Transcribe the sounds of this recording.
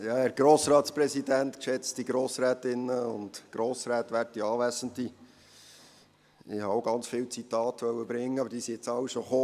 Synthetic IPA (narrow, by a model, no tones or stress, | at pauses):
jɑːæɾɡ̥ɾoːsɾɑːtspɾɛsidæntkʃɛt͡stiɡɾoːsɾæːtɪnːəʊ̰ndɡ̥ɾoːsɾæːtʋærtiɑːʋæsənti | ɪ̰hɑoʊɡɑnt͡sfɪwt͡sitɑːtʋœwəbɾɪŋːəɑbəɾd̥iːsiɪt͡sɑwʃoχoː